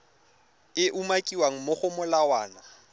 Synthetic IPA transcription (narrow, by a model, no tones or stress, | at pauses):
ɪʔumakʼiwaŋ̩moχʊmʊlawaːna